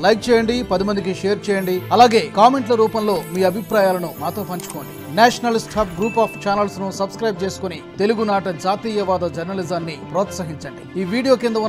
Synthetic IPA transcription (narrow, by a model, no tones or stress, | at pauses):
lɐjk̚t͡ʃɛːjɐɳɖipɐd̪imɐnd̪ik̬iʂɛːjɐɾt͡ʃɛːjɐɳɖiɐlaːɡe̞ːkaːme̞ɳʈlɐɾuːpɐmlo̞ːmiːɐbʱipɾaːjaːlɐnumaːt̪o̞ːpɐɲt͡ʃu̥koːɳɖi | naːʂɐnɐlisʈʰɐpɡɾuːpaːpʰt͡ʃaːnɐlsnusɐbskɾɐjb̚t͡ʃeːsu̥konit̪e̞luɡunaːʈɐd͡ʒaːt̪iːjɐʋaːd̪ɐd͡ʒɐɾnɐlizaːnːipɾɔːt̪sɐɦiɲt͡ʃɐɳɖiiːʋiːɽijo̞ːkind̪ɐun